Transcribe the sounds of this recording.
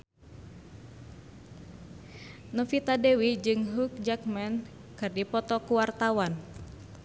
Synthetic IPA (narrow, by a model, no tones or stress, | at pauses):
nɔfit̪adɛwid͡ʒɨŋɦuk̚d͡ʒakmɛn | kɨrdipɔt̪ɔkuwart̪awan